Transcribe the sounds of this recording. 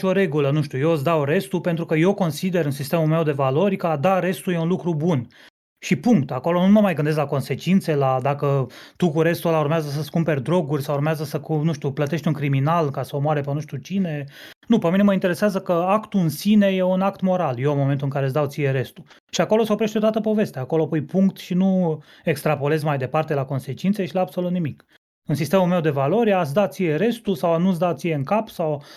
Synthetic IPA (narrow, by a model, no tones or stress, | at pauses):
o̞ɾe̞ɡulənuʃt̪ʲujes̬d̪awɾe̞st̪upe̞nt̪ɾukəje̞wko̞nsid̪e̞ɾɨnsist̪e̞mume̞wd̪e̞valo̞rʲkəad̪aɾe̞st̪uje̞unlukɾubun | ʃipuŋkt̪ako̞lo̞numəmajɡɨnd̪es̬tlako̞nse̞t͡ʃint̪se̞lad̪akət̪ukuɾe̞st̪ulaurmeazəs̬əskumpe̞rʲd̪ɾo̞ɡurʲsawurmeazəsəkunuʃt̪ʲuplət̪e̞ʃt̪ʲuŋkɾiminalkasəomoaɾepenuʃt̪ʲut͡ʃine̞ | nupemineməint̪eɾe̞seazəkəakt̪uɨnsine̞jeunakt̪mo̞ɾaljemo̞me̞nt̪uɨŋkaɾes̬d̪awt̪sije̞ɾe̞st̪u | ʃiako̞lo̞seo̞pɾe̞ʃt̪et̪at̪əpo̞ve̞st̪eaːkoloapojpuŋkt̪ʃinu | ekst̪ɾapo̞le̞zmajd̪e̞part̪e̞lako̞nse̞t͡ʃint̪seʃilaːbso̞lut̪nimik | ɨnsist̪e̞mume̞wd̪e̞valo̞ɾʲat̪sd̪at̪sije̞ɾe̞st̪usawanusd̪at̪sijeɨŋkapsaw